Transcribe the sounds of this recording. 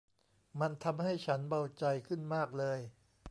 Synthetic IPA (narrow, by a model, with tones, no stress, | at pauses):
ma˧nt̪ʰa˧mha˥˩jt͡ɕʰa˦˥nba˧wt͡ɕa˧jkʰɯ˥˩nmaː˥˩k̚lɤː˧j